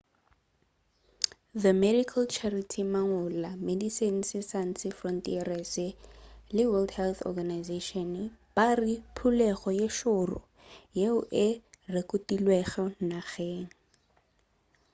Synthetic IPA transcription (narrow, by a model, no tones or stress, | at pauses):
ðəmɛdikʰalt͡ʃʰaritʰimaŋʊlamedisen̩sɪsan̩sɪfrɔntʼiɛrɛsɪlɪwɛldhɛlθɔ̰ɡanajzeʃɔnb̥aripʰulɛχɔjeʃʊrʊ̰ | jeʊʔɪrekʊtilweχɛnaɣeːŋ̩